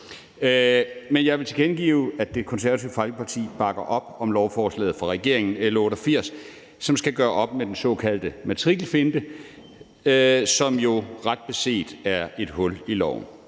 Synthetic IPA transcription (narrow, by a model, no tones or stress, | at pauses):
menjɑ̈ɪʋe̝t͡sʰe̝ɡ̥enɡ̥ḭːʊæ̥d̥e̝kʰɔ̽nsæɐʋæt͡sʰiʊfɑlɡ̥əpʰɑ̈t͡sʰḭːb̥ɑ̈ɡ̥ɐʔɒ̽b̥̚ɒ̽mlɒʊfɒːslɛ̰ːð̩ˠfʁɑ̈ʁɛɡ̥e̝ɐ̰eŋn̩elɐɔ̽ːɾɐfiɐ̰sː | ɒ̽msɡ̥æɡ̥ɶːɐʔɒ̽b̥med̥ensɒ̽kʰæl̰d̥əmæt͡sʰʁiɡ̥lfe̝nd̥ə | sɒ̽mjo̝ʁɑ̈d̥̚b̥e̝se̝̰ːd̥æɐe̝d̥ɦɔ̽lilɒʊ̰n̩